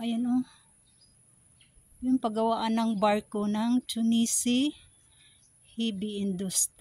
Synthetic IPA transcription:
ʔɐjonʔo | jʊŋpɐɡɐwaʔanɐŋbaɹkonɐŋt͡ʃʊnisi | hibiʔɪnd̪ust̪ɾ

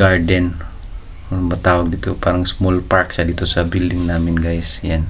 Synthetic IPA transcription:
ardɛn | bat̪awadit̪upaɾaŋsmɔlpaɾk̚sadit̪usabildɪŋnamɪnɡajsjan

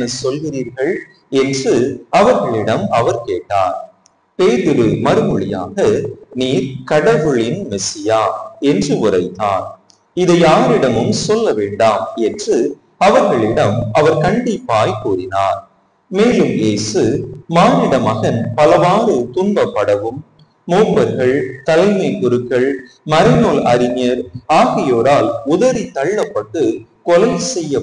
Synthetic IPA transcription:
nɐsɔlɣɪɾiːɾɣɐɭ | ɛndrɯɐʋɐɾɣɐɭɪɽɐmɐʋɐɾkeːʈːa̰ːɾ | peːðɯɾɯmɐɾɯmɯɭɪja̰ːɣɐniːɾkɐɽɐʋɯɭɪnmɛsɪjaːɛndrɯʊrɐɪt̪ːa̰ːn | ɪðɐɪjaːɾɪɽɐmɯmsɔlːɐʋeːɳɖaːmɛndrɯ | ɐʋɐɾɣɐɭɪɽɐmɐʋɐɾkɐɳɖɪpːaːjkuːrɪna̰ːɾ | meːlɯmeːsɯmaːnɪɽɐmɐɣɐnpɐlɐʋaːɾɯt̪ʊnbɐpːɐɽɐʋɯmː | oːpːɐɾɣɐɭt̪ɐlɐɪmɐɪkʊɾɯkːɐɭ | mɐɾɐnoːlɐɾɪŋjɐɾaːɣɐjoːɾaːlʊðɐɾit̪ːɐɭːɐpːɐʈːɯkɔlɐɪsɛjːɐ

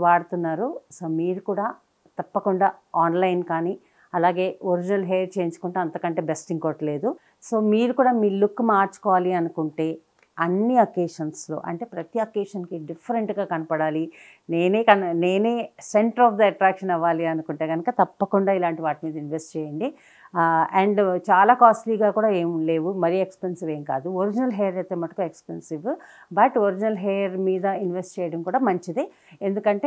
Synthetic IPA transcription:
ʋaːɽut̪unːaːɾuso̞ːmiːɾukuːɽaː | t̪ɐpːɐkuɳɖaːaːnlɐjnkaːni | ɐlaːɡe̞ːoɾid͡ʒinɐlɦeːʈ̚t͡ʃe̞ːɲd͡ʒu̥kuɳʈeːɐnt̪ɐkɐɳʈe̞ːbesʈiŋkoːʈɐle̞ːd̪u | so̞ːmiːɾukuːɽaːmilːukːmaːɾt͡ʃu̥kɔːʋaːliɐnukuɳʈe̞ː | ɐnːiɐkeːʂɐnslo̞̰ːʔɐ̰ɳʈe̞ːpɾɐt̪iɐkeːʂɐnkiɖipʰːɐɾeɳʈɡaːkɐnɐpɐɽaːli | neːneːkɐnne̞ːneːseɳʈɐɾɔːfd̪ɐɐʈɾaːkʂɐnɛʋaːliɐnukuɳʈe̞ːɡɐnɐkɐt̪ɐpːɐkuɳɖaːilaːɳʈiʋaːʈimiːd̪ɐinʋesʈt͡ʃɛːjɐɳɖi | ɐɳɖt͡ʃaːlaːkaːsʈliːɡaːkuːɽaːe̞ːmle̞ːʋumɐɾijekspensiʋe̞ːmka̰ːd̪uoɾid͡ʒinɐlɦeːjɐɾɐjt̪ːeːmɐʈ̪ːɐ̥kuekspensiʋ | bɐʈoɾid͡ʒinɐlɦeːjɐɾmiːd̪ɐinʋesʈt͡ʃɛːjɐɽɐmkuːɽaːmɐɲt͡ʃid̪i | e̞nd̪ukɐɳʈeː

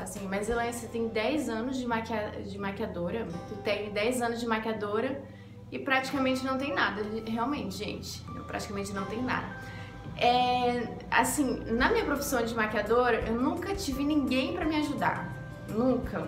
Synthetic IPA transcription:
asĩmɐjzewɛ̃set̪ẽj̃d̪ɛjzɐ̃nʊzd͡ʒɪmaɾkad͡ʒɪmaɾkiad̪oɾɐt̪ut̪ẽj̃d̪ɛjzɐ̃nʊzd͡ʒɪmaɾkad̪oɾɐ | ɪpɾat͡ʃi̥kamẽnt͡ʃɪnɐ̃w̃t̪ẽj̃nad̪ɐɦeawmẽnt͡ʃɪʒḛ̃nt͡ʃɪ̥̃pɾa̰t͡ʃi̥kamẽnt͡ʃɪnɐ̃w̃t̪ẽj̃ʊna̰d̪ɐ | ɛ | a̰sĩnɐmĩɲɐpɾofi̥sɐ̃w̃d͡ʒɪmaɾkiad̪oɾɐʔewnũŋkɐt͡ʃivɪnĩŋɡẽj̃pɾɐmɪaʒud̪a̰ɾ | nũkɐ

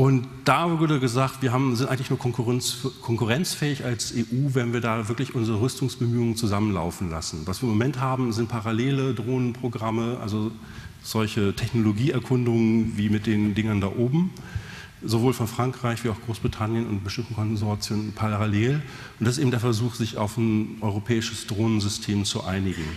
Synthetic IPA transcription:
ʔʊntd̥aːvʊɐdəɡəzaːktv̥iːɐɦaːbm̩zɪntʔaɪŋtlɪçnuːɐkʰɔkʰɔŋkuʁɛnt͡sfɛːɪçalsʔeːʔuːvɛnviːɐdaːvɪɐklɪçʔʊnzəʁəʁʏstʊŋsb̥əmyːʊŋənt͡suzamənla̰ʊfn̩la̰sn̩vasviːɐɪmomɛnthaːbm̩zɪntpʰaʁaleːlədʁoːnənpʁ̥oɡʁaməʔa̰lzo | z̥ɔlçətʰɛçnoloɡiːɛɐkʰʊndʊŋənviːmɪt̚d̥eːndɪŋɐnda̰ːʔoːbm̩ | zovoːlfɔnfʁ̥aŋkʁ̥aɪçv̥iːaʊxɡ̥ʁoːsb̥ʁitʰanjənʊ̰nt̚b̥əʃtɪmtəkʰɔnzɔɐt͡sjoːnənpʰaʁaleːl | ʔʊnd̥asɪsteːbm̩td̥eɐfɛɐzuːxz̥ɪça̰ʊfn̩ʔɔʏʁopʰɛːɪʃəsd̥ʁoːnənzʏstʰeːmt͡suʔa̰ɪnɪɡŋ̩

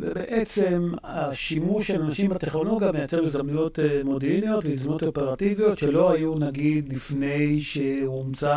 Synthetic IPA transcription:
vḛbḛʔet͡se̞maʃimuʃelanaʃimhat̪eχnolo̞ɡjamejat͡seʁmezamnujo̞t̪modeʁnijo̞tveizamnotopeʁativijo̞t̪ʃe̞lo̞ɦajunaɡid̪lifne̞jʃe̞umt͡sa

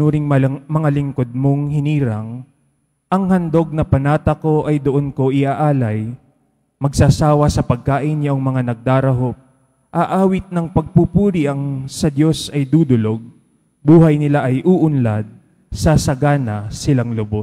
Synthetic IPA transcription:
uːɾɪŋmɐŋalɪŋkod̪̚moŋhɪniːɾɐŋ | ʔɐŋhɐnd̪o̞ɡ̚nɐpɐnaːt̪ɐko̞ʔɐjd̪oʔonko̞ʔɪʔaʔaːlɐj | mɐɡsaːsaːwɐsɐpɐɡ̚kaːʔɪnjɐʔoŋmɐŋanɐɡ̚d̪aːɾɐɦop̚ | ʔɐʔaːwɪt̪̚nɐŋpɐɡ̚pupuːɾiʔɐŋsɐd̪jo̞sɐjd̪uːd̪ʊlo̞ɡ̚ | buːhɐjnɪlaʔɐjʔuːʔʊnlad̪̚ | sɐsɐɡaːnɐsɪlaŋlʊbos

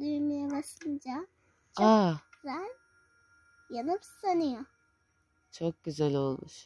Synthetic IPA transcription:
lymijɛbaʃɯnd͡ʒa | t͡ʃʰazælʲ | janɯbst̪anɯjo | t͡ʃʰok̚ɟ̥yzælʲo̞lˠmuʃ

